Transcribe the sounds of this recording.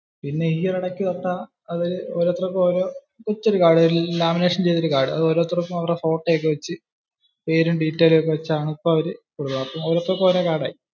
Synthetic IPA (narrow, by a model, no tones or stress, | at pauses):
pinːe̞hiːɐrɐɽɐkʲːɨt̪ɐʈ̪ːa | ɐðiɾoːɾot̪ːrɐkːoːɾoː | kut͡ɕːo̞ɾukaːɽɐɾlaːmine̞ːʂɐnt͡ɕe̞jt̪ːoɾukaːɽɨɐðɨoɾot̪ːrɐkːɐmɐʋɐrefo̞ːʈːek̬ːeʋɐt͡ɕːɨ | pe̞ːɾumɖiːʈːɐːlokːeʋɐt͡ɕːaːɳɨipːoːɐʋɐɾɨkuɽuʋɐɐpːɐmoːɾot̪ːrɐkːoːɾokaːɽaːji